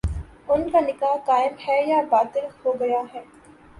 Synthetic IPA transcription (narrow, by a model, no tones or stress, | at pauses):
ʊnkanɪkaːɦkaːɪmhɛːjaːbaːt̪ɪlhoːɡɐjaːɦɛː